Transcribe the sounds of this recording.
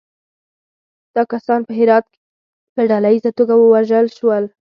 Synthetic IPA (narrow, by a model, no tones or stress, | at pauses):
d̪̥ɑkasɑnpəɦɪɾɑd̪̚ke̥ | pəɖalaizat̪oɡawəwaʒəlʃwəl